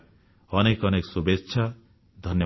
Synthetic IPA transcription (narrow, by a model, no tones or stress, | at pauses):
ʌnekʌneksubetːʃʰa | d̪ʱʌnjʌ